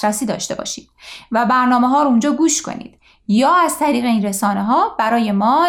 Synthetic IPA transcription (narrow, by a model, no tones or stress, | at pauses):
ɾæsiːd̪ɒ̰ːʃt̪e̞bɒ̰ːʃiːd̪̥væbæɾnɒːmeɦɒːɾound͡ʒɒːɡuːʃkʰo̞̰nḭːd̪̥ | jɒːæzt̪ʰæɾiːɣe̞iːnɾe̞sɒːne̞ɦɒːb̥æɾɒːje̞mɒː